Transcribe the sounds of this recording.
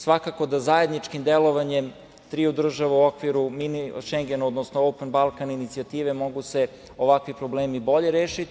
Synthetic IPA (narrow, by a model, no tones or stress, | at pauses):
sʋakakod̪azaje̞d̪nit͡ʃkimd̪elˠo̞ʋaɲem | t̪ɾiːud̪r̩ʒaʋeuokʋiɾuminiʃeŋɡenuod̪nosnoopenbalˠkaninit̪siat̪iːʋe̞mo̞ɡuse | o̞ʋakʋipɾo̞bleːmibo̞ʎe̞ɾeːʃit̪